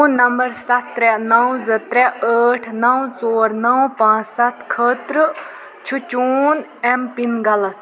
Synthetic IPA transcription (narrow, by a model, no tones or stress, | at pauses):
nɐmbɐɾsɐt̪ːɾɛnɐwzɐt̪ɾɛəːʈʰnɐwt͡soːɾnɐwpãːt͡ssɐt̪ʰkʰəːt̪ɾɨ | t͡ʃʰut͡ʃuːnempinɡɐlɐt̪